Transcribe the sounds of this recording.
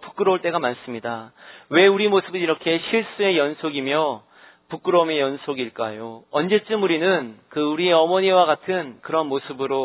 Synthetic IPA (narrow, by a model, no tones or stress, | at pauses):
pu̥k͈ɯɾʌuɭt͈e̞ɡamans͈ɯmɲidawe̞uɾimosʰɯbɯniɾʌkʰe̞ɕʰiɭs͈ue̞jʌnsʰoɡimjʌ | puk͈ɯɾʌmejʌnsʰoɡiɭk͈ajoʌnd͡ʑe̞t͡ɕ͈ɯmuɾinɯnkɯuɾie̞ʌmʌɲiwaɡatʰɯnkɯɾʌnmosʰɯbɯɾo